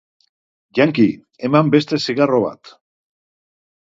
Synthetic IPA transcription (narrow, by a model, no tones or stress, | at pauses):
ʝaŋki | emambe̞st̪e̞siɣaroβ̞a̰t̪